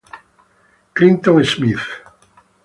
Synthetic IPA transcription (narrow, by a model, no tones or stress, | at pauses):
klint̪ɔ̃ŋesmiθ